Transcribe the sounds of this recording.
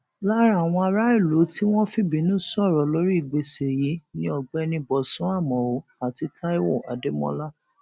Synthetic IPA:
la˦ɾa˦˨w̃ɔ̃˧a˧ɾa˦i˦˨lo˨˦ti˦w̃ɔ̃˦fi˦bĩ˨˦nũ˦sɔ˦˨ɾɔ˨lo˦ɾi˦i˦˨ɡ͡be˧se˨ji˨˦nĩ˦ɔ˧˨ɡ͡bɛ˦˧nĩ˧bɔ˨sũ˨˦a˦˨mɔ̃˨o˨˦a˨ti˧tʰa˦i˦wɔ˦˨a̰˨de˨˦mɔ̰̃˧˦la˦

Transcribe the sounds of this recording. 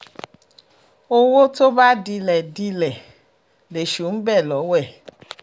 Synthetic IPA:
o˦wo˦to˦ba˦di˧lɛ˨di˧lɛ˨ | le˨ʃu˨˦n̩˦bɛ˦˨lɔ˨˦wɛ˦˨

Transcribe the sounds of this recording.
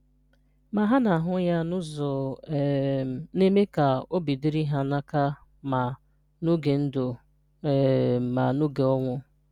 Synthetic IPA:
ma˨ɦa˦na˨ɦʊ˦ja˦nʊ˦zɔ˨ | ne˦me˦ka˨o˦bi˨di˦ɾi˦ɦa˦na˦ka˦ma˨ | no˦ɡe˨n̩˦dʊ˨ | ma˨no˦ɡe˨ɔ˦ŋʷʊ˦

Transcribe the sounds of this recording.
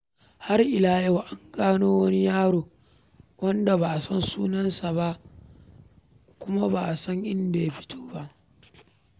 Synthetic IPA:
ha˦rʔɪ˨laː˦ja˦wʔa˦ŋɡaː˦noː˦wɐ˦ni˦jaː˦ɽoː˨ | wɐ˦nda˨baː˨sɐ˦nsuː˦nɐ˦nsa˨ba˦ʔ | kʷʊ˦ma˦ba˨ʔsɐ˦ŋʔɪ˦nda˨ja˦ɸɪ̥˦tʰo̥ː˦ba˦ʔ

